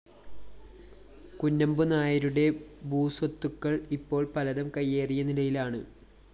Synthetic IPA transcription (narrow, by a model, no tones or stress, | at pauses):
kunːɐmbɨnaːjɐɾuɽe̞buːswɐt̪ːukːɐɭipːo̞ːɭpɐlɐɾɐmkɐjːe̞ːrijɐnilɐjilaːɳɨ